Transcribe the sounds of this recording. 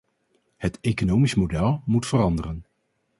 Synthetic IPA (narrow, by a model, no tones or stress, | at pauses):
hətejkonowmismodɛlˠmutfərɑndərən